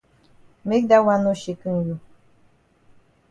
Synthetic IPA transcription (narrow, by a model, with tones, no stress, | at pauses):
me˦k̚da˦wa˦nu˦ʃi˨kɨ˦ŋ˨ju˨